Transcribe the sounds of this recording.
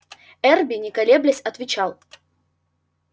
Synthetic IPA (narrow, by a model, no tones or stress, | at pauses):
ɛrbʲɪnʲɪkɐlʲeblʲɪsʲɐt̪vʲɪt͡ɕalˠ